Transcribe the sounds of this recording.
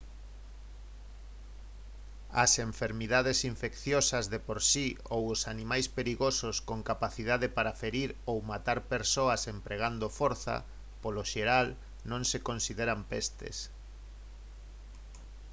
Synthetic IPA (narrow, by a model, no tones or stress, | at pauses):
ɐ̰seɱfeɾmiðaðesiɱfekθjosɐzðepoɾsiowosanĩmajspeɾiɣososkoŋkapaθiðaðepaɾafeɾiɾowmat̪aɾpeɾsoɐsempɾeɣ̞and̪ofoɾθɐ̰ | poloʃeɾal | nõŋsekõnsiðeɾampest̪ḛs